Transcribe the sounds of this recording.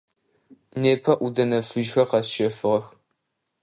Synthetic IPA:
neːpʰɐʔudɐnɐfɨʒxɐqɐsʃɐfɨʁɐx

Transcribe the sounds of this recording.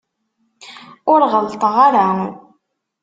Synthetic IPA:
ʊɾʁəlt̪ˤəʁaɾa

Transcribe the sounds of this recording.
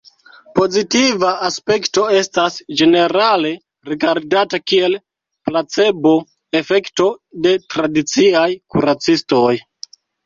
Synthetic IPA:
po̞zitivaaspe̞kto̞e̞stasd͡ʒe̞ne̞ɾale̞ | ɾiɡaɾdatakie̞l | plat͡se̞bo̞ | e̞fe̞kto̞de̞tɾadit͡siajkuɾat͡sisto̞j

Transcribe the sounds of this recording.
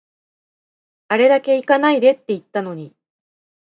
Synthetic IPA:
aɾe̞d̪ake̞ikanaid̪e̞t̪ːe̞it̪ːano̞ɲ̟i

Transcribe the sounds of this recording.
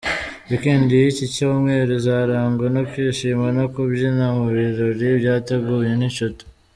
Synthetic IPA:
ikiːndiicico̞ːmŋe̞ːɾizaːɾaːŋɡonokwiːʃiːmanokubjinamuβiɾoɾibjaːte̞ɡuːje̞niʃotu̥

